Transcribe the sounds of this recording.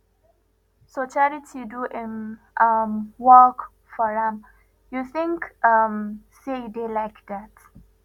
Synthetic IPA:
sot͡ʃalitʰiduʔɪ̃n | ʔamwɔk | fɔɹãm | juθɪ̃ŋkʌmseidelaɪkdæt

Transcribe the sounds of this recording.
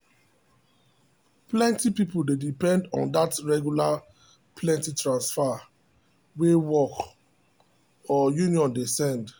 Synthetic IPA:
plɛ̃ntipipuldedipɛ̃ndɔ̰̃ndatɹɛɡjula | pʰlɛ̃ntitɹãnsfa | wewɔk | ɔjuniɔ̃ndesɛ̃nd

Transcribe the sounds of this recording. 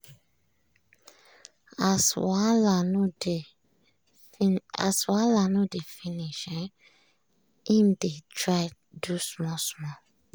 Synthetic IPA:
aswalande | a̰swalanudefiniʃɛ | ĩmdetɹaɪ | dusmɔsmɔ

